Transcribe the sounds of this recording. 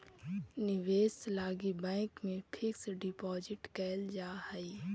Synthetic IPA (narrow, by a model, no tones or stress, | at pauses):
nɪʋeːslaːɡibɛ̃ːkmẽpʰɪksɖɪpɔːd͡ʒɪʈkɛːld͡ʒaːhəi